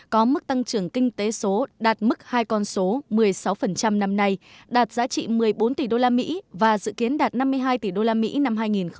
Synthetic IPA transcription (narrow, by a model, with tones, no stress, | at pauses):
kɔ˨˦mɨ˦˥k̚t̪a˧ŋt͡ɕɨ˨˩əŋkï˧ŋ̟t̪e˨˦so˨˦ɗaː˨˩t̚mɨ˦˥k̚haː˧jkɔ˧nso˨˦mɨ˨˩əjsa˨˦wfə˨˩nt͡ɕa˧mna˧mna˧jɗaː˨˩t̚zaː˨˧˥t͡ɕḭ˧˨mɨ˨˩əjɓo˨˦nt̪i˨˩ɗo˧laː˧mḭ˧˥vaː˨˩zɨ̰˧˨ki˨˦ənɗaː˨˩t̚na˧mːɨ˧əjɦaː˧jt̪i˨˩ɗo˧laː˧mḭ˧˥na˧mɦaː˧jŋi˨˩nx